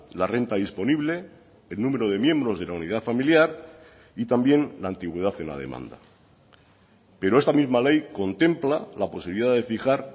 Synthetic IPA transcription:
lare̞nt̪aðispo̞niβle̞ː | lnũme̞ɾoðe̞mjẽ̞mbɾo̞zð̞e̞launið̞afamiljaɾ | it̪ambje̞nlaːnt̪iɣwe̞ðaθenla̰ð̞e̞̰mã̰nd̪a̰ | pe̞ɾo̞e̞st̪amizmale̞jko̞nt̪e̞mplalapo̞siβiliðaðe̞fixaɾ

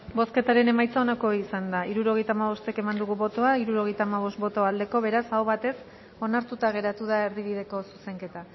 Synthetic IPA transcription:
bo̞ske̞t̪aɾe̞ne̞majt͡sao̞nako̞isand̪aiɾuɾo̞ɣejt̪aːmaβ̞o̞st̪e̞ke̞mand̪uɣuβo̞t̪o̞aiɾuɾo̞ɣe̞jt̪aːmaβ̞o̞st̪̚bo̞t̪o̞ald̪e̞ko̞βe̞ɾasawβat̪e̞s | o̞naɾt̪ut̪aɣ̞e̞ɾat̪uð̞ae̞ɾðiβ̞iðe̞ko̞su̥se̞ŋke̞t̪a

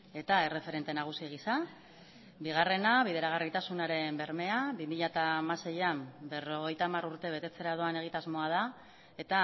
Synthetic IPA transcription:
e̞t̪ae̞re̞fe̞ɾe̞nt̪e̞naɣ̞usiɣ̞isa | biɣ̞are̞naβiðe̞ɾaɣ̞arit̪asunaɾe̞mbe̞ɾme̞aβimiʎat̪amase̞jambe̞ro̞ɣ̞e̞jt̪amaruɾt̪e̞β̞e̞t̪e̞t͡se̞ɾaðo̞ane̞ɣ̞it̪azmo̞að̞a | e̞t̪a

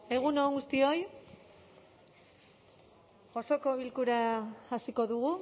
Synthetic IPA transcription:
e̞ɣ̞unoŋɡust̪io̞j | xo̞so̞ko̞βilkuɾaːsiko̞ðuɣ̞u

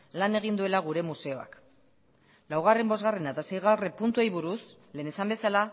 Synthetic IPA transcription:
lane̞ɣ̞ind̪ue̞laɣ̞uɾe̞muse̞o̞a̰k | lawɣ̞are̞mbo̞zɣare̞nat̪ase̞jɣ̞awre̞punt̪uejβuɾus | le̞ːnesambe̞sala

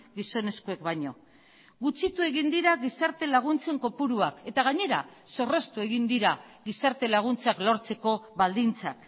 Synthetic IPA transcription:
ɡiso̞ne̞skue̞kβaɲo̞ | ɡut͡sit̪ue̞ɣ̞ind̪iɾaɣisaɾt̪e̞laɣ̞unt͡se̞ŋko̞puɾuake̞t̪aɣ̞aɲe̞ɾa̰so̞re̞st̪ue̞ɣind̪iɾaɣisaɾt̪e̞laɣ̞unt͡saklo̞ɾt͡se̞ko̞βald̪int͡sa̰k

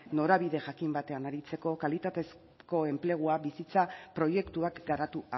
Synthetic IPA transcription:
no̞ɾaβiðe̞ʝakimbat̪e̞anaɾit͡se̞ko̞kalit̪at̪e̞s | ko̞e̞mple̞ɣ̞uaβisit͡sapɾo̞je̞kt̪uakɡaɾat̪ua

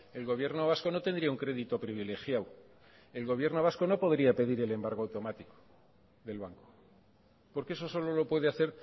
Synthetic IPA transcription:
e̞lɣo̞βje̞ɾno̞β̞asko̞no̞t̪e̞nd̪ɾiauŋkɾe̞ðit̪opɾiβ̞ile̞xjaw | e̞lɣo̞β̞je̞ɾno̞β̞asko̞no̞po̞ðɾiape̞ðiɾe̞le̞mbaɾɣ̞oawt̪o̞mat̪iko̥ | ðe̞lβaŋko̞̥ | po̞ɾkeeso̞so̞lo̞lo̞pweðeaθe̞ɾ

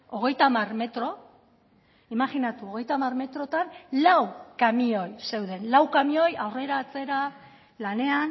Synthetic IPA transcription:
o̞ɣ̞e̞jt̪amarme̞t̪ɾo̞ | imaɣinat̪uo̞ɣ̞e̞jt̪amarme̞t̪ɾo̞t̪anlawkamio̞jse̞wðe̞nlawkamio̞jawre̞ɾaːt͡se̞ɾa | lane̞an

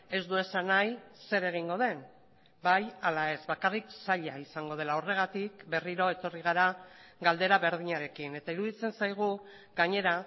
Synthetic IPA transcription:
e̞zd̪ue̞sanajse̞ɾe̞ɣ̞iŋɡo̞ð̞e̞n | bajalae̞zbakariksaʎaisaŋɡo̞ð̞e̞lao̞re̞ɣ̞at̪ikbe̞riɾo̞e̞t̪o̞riɣ̞aɾaɡald̪e̞ɾaβe̞ɾðiɲaɾe̞kine̞t̪aiɾuðit͡se̞nsajɣ̞u | ɡaɲe̞ɾa

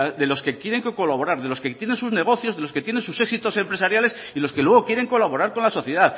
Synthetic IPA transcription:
ðe̞lo̞ske̞kje̞ɾe̞ŋkko̞laβo̞ɾaɾðe̞lo̞sket̪je̞nensuzne̞ɣ̞o̞θjo̞zðe̞lo̞ske̞t̪je̞ne̞nsuseksit̪o̞se̞mpɾe̞saɾjales | ilo̞skelwe̞ɣ̞okje̞ɾe̞ŋko̞laβo̞ɾaɾko̞nlaso̞θjeðaθ

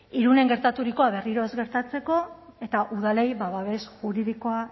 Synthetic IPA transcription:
iɾune̞ŋɡe̞ɾt̪at̪uɾiko̞aβe̞riɾo̞ezɣe̞ɾt̪at͡se̞ko̞e̞t̪aʔuðale̞jβaβaβe̞sʝuɾiðiko̞a

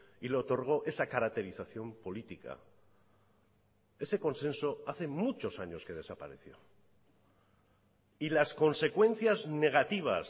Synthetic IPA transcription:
ileot̪o̞ɾɣ̞o̞ʔe̞sakaɾak̚t̪e̞ɾiθaθjo̞mpo̞lit̪ika̰ | e̞se̞ko̞nsẽ̞nso̞aθe̞mut͡ʃo̞saɲo̞ske̞ð̞e̞sapaɾe̞θjo̞̰ | ilasko̞nse̞kwẽ̞n̟θjazne̞ɣ̞at̪iβ̞a̰s

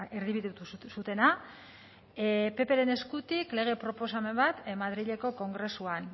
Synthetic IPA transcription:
eɾðiβiðut̪usut̪e̞na | pe̞pe̞ɾe̞ne̞skut̪ikle̞ɣ̞e̞pɾo̞po̞s̬ame̞mbat̪maðɾiʎe̞ko̞ko̞ŋɡɾe̞suan

